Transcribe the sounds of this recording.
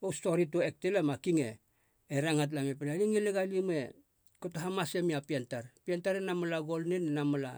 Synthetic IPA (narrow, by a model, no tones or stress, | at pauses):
osto̞ɾitoek̚telamakiŋḛː | ɾaŋat̬lamepenaliŋileɡalime̞̰ | kotoɦamasemiapiantaɾpiantaɾenamalaɡo̞lnenenamola̰